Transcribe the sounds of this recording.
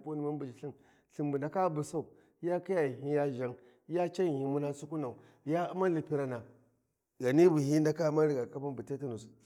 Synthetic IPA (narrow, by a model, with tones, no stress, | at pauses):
pu˦ni˨ma˦bu˨d͡ʒi˨ɬi˦m | ɬi˨mbu˨na˨ka˦bu˨sa˦u˨ | ja˦ki˦ja˨ɦi˦ja˦ʒa˨˦ŋ˦ | ja˦t͡ʃa˦˨hi˨mu˦na˦su˦ku˦na˨u˨ | ja˦u˦ma˦li˨pi˦ɾa˨na˨ | ɡa˨ni˦bu˨hi˦nda˦ka˦ma˦nɾi˦˨ɡa˨ka˦pu˦nbi˨te˦ti˦nu˨s